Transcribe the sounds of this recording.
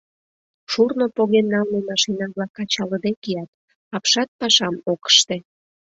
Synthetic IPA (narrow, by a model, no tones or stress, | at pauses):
ʃurnopoɣenːɑlnemɑʃinɑβlɑkɑt͡ɕɑləd̪ekijɑt̪̚ | ɑpʃɑt̪̚pɑʃɑmokə̥ʃt̪e